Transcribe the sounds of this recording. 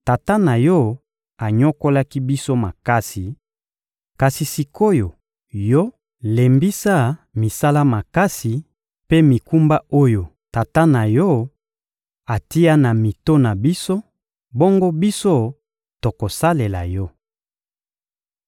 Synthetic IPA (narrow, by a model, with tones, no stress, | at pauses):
ta˨ta˦na˨jɔ˦ | a˨ɲo˦ko˦la˦ki˦bi˦so˦ma˨ka˦si˨ | ka˨si˨si˨kʰo˦jo˨ | jɔ˦ | le˨mbi˦sa˦mi˨sa˦la˦ma˨ka˦si˨ | pe˦mi˨ku˦mba˦o˦jo˨ | ta˨ta˦na˨jɔ˦ | a˨ti˦a˦na˨mi˨to˦na˨bi˦so˦ | bo˦ŋɡo˦bi˦so˦ | to˨ko˨sa˦le˨la˨jɔ˦